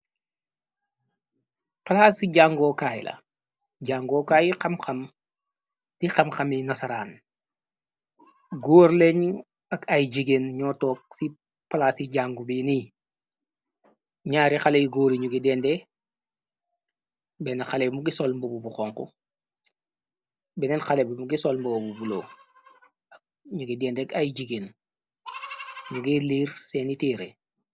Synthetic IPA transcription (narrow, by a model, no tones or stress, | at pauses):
pɐlasiɟaŋɡoːkaːjḭlɐ̰ | ɟaːŋɡoːkajixɐmxɐm | d̥ixɐmxɐminɐsɐɾaːn | ɡoːɾleɲu | ɐkɐjɟiɡenɲɔːtɔːk̚si | palaːsiɟaːŋɡubini | ɲaːɾixalejiɡoːɾiɲuɡidɛnde | bɛnaxalebmuɡisolmbobubuxoːŋkṵ | bɛnɛnxalebimuɡisolmbobubulo | ak̚ | ɲuɡidɛːndekajɟiɡeːn | ɲuɡeliːɾseːnitiːɾe